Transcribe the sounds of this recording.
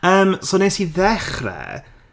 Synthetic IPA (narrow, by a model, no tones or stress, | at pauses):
əːmsoːnesiðɛχrɛ̰